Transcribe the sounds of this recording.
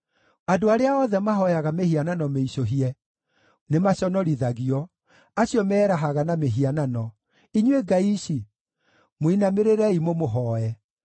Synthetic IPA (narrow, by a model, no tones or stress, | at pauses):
adoaɾeaɔðɛmaɦɔjaɣamehiananɔmeiɕoɦiɛ | nemaɕɔnɔɾiðaɣiɔ | aɕjɔmɛːɾaɦaɣanameɦiananɔ | iɲweɡaiɕi | moinameɾeɾɛimomoɦɔɛ